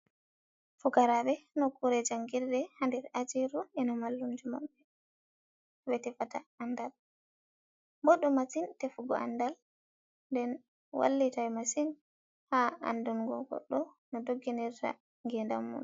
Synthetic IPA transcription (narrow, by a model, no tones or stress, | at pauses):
fukaɾabɛnɔkuɾɛd͡ʒaŋɡiɾdɛhandɛɾad͡ʒiɾuɛnɔmalːumd͡ʒuma̰ɓːɛ | ɓɛtɛfataandal | boɗumːasintɛfuɡɔ̰ʔa̰ndal | ndɛn | wʔa̰lːitajmasin | haa̰ndunɡɔ̰ɡɔ̰ɗːɔ | nɔdoɡːinɛɾta̰ | ŋɡɛnda̰mːṵn